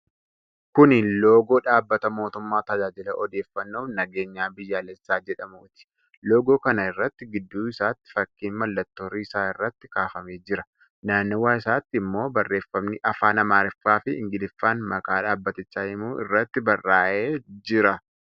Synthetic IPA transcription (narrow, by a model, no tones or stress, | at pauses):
kʊnɪlo̞ːɡo̞ːᶑaːbːɐt̪ɐmo̞ːt̪ʊmːaːt̪ɐd͡ʒaːd͡ʒɪlɐʔɔd̪e̞ːfːɐnːoːfnɐɡe̞ːɲːaːbɪjːaːlɛsːaːd͡ʒɛᶑɐmuːt̪ɪ̥ | lo̞ːɡo̞ːkɐnɐɪrːɐt̪ːɪɡɪd̪ːuːɪsaːt̪ːɪ̥fɐkːiːnmɐlːɐt̪ːo̞ːɾiːɪsaːɪrːɐt̪ːɪ̥kaːfɐmeːd͡ʒɪɾɐ | naːnːɪwaːɪsaːt̪ːɪɪmːo̞ːbɐrːe̞ːfːɐmnɪʔɐfaːnɐmaːɾɪfːaːfɪɪ̰ŋɡɪlɪfːaːnmɐkaːᶑaːbːɐt̪ɪt͡ʃːaːjɪmuːʔɪ̰rːɐt̪ːɪbɐrːaːʔeːd͡ʒɪɾɐ